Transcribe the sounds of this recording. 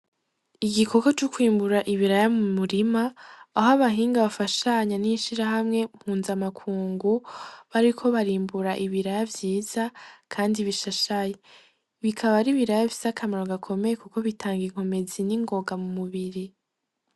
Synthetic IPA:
iɡikʰo̞kot͡ʃukwiːmbuɾaʔiβiɾajamumuɾimaːɦoaβaɦiːŋɡaβafaʃaɲaniʃiɾaɦamŋe̞mhuːnzamakʰuːŋɡuβaɾikʰo̞βaɾiːmbuɾaʔiβiɾajavjiːz̥akʰaːndiβiʃaʃaje | βikʰaβaɾiβiɾajaβisakʰamaɾoɡakʰo̞me̞jekuko̞βitʰaːŋɡiŋ̥ho̞me̞ziniŋɡo̞ɡamumuβiɾi

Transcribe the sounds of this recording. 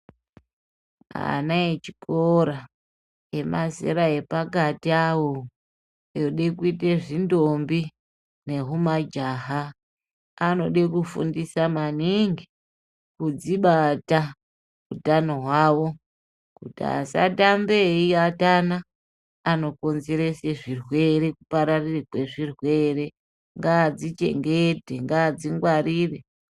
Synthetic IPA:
a̰naet͡ʃi̥kʰoɾa | e̞mʔasḭɾae̞pakatiawo | joɗekuiteʐindombi | ne̞ɦumad͡ʒaɦaː | no̞ɗekufṵndisamaniŋɡi | kud͡ziɓata | utanoɦwaːwo̞ | kutia̰sa̰tambe̞iatanaː | no̞ko̞nzeɾeseʐirwe̞ɾe̞kupaɾarirekwe̞ʐirwe̞re̞ | ŋɡaːd͡zit͡ʃe̞̰ŋɡete̞ŋɡaːd͡ziŋɡwariːre

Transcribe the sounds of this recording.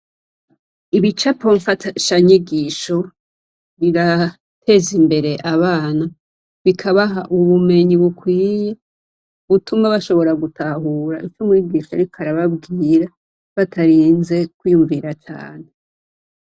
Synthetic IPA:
iβit͡ʃapo̞ɱfaʃaɲiɡiːʃo̞ | βiɾa | tʰe̞zimbe̞ɾe̞ʔaβaːna | βikʰaβaɦaʔuβume̞ɲiβukwiːje | uβutumbaβaʃo̞βo̞ɾaɡutaɦuːɾa̰ʔit͡ʃomuiɡiːʃojaɾikʰaɾaβabɡiːɾa | βatʰaɾiːnze̞kwiːjuɱviɾat͡ʃa̰ːne̞

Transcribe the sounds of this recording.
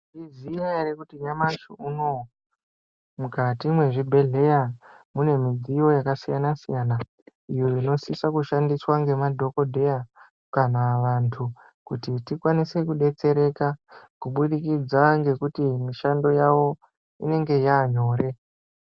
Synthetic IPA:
ʐizijaeɾekutiɲamaʃouno̞ | mukʰatimwe̞ʐibʱe̞ɮe̞ja | mune̞mid͡zijo̞jakasijanasijana | ijoino̞sisakuʃandiswaŋɡe̞madʱo̞ko̞dʱe̞ja | kanaʋantʰu | kutitikwanise̞kuɗe̞t͡se̞ɾe̞kakuɓuɗikid͡zaŋɡe̞kutimiʃando̞jawo̞ | ḭne̞ŋɡe̞jaːɲo̞ːɾe̞

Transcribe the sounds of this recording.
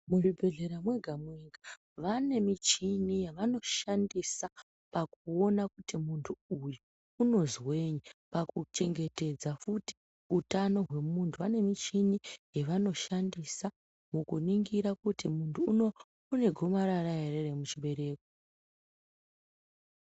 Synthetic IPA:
muribʱe̞ɮe̞ɾamwe̞ɡʱamweŋɡa | ʋane̞mit͡ʃinijaʋano̞ʃandisa | pakuo̞nakutimuntʰuujuː | no̞zwe̞ɲipakut͡ʃe̞ŋɡe̞te̞d͡zafuti̥ | utano̞ɦwe̞muntʰuʋane̞mit͡ʃinijeʋano̞ʃandisa | mukuniŋɡiɾakutimuntʰuːno | une̞ɡʱo̞maɾarajereremut͡ʃiɓe̞ɾe̞ːko

